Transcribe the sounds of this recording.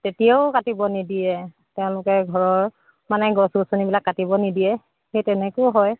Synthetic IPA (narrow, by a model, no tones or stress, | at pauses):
tetijaʊkatibɔnidiɛ | tɛʊ̃lʊkɛɡʱɔɹɔɹ | manɛɡɔsusonibilakːatibɔnidijɛ | xejtɛnɛkojɦɔj